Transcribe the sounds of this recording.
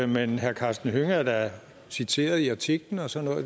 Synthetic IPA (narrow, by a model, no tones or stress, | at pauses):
menhæɐkʰɑ̈ːsd̥n̩høŋɐd̥ɑ | sit͡sʰe̝̰ːɐð̞̩ˠiɑ̈t͡sʰiɡ̥ln̩ɒ̽sɒ̽nɔ̰ːðˠ